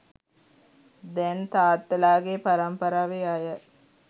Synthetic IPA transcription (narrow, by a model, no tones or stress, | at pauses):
d̪ɛnt̪aːt̪ːəlaːɡepaɾɐmpəɾaːʋeajə